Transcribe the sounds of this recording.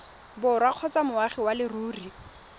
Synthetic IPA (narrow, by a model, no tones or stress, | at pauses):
bʊrwaq͡χʰɔt͡samʊwaχiwalɪruːri